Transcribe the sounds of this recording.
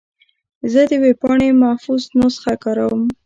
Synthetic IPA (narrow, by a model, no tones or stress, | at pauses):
zəd̪əwepɑɳemafuznosxakɑɾawəm